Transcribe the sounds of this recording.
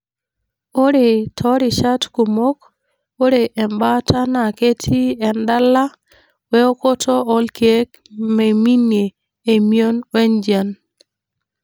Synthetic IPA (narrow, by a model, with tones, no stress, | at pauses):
o˦ɾe˨tʰɔ˦ɾɪ˨ʃa˦tku˨mo˦k | o˦ɾe˨ʔɛ˨mba˦ta˦na˨ke˦tʰi˦ɛ˨nda˦la˦ | wɛ˦o˦ko˦tʰɔ˦ʔɔ˦lke˦k̚ | me˨mi˦njeː˨ | mjo˦nwɛ˦nd͡ʒa˨n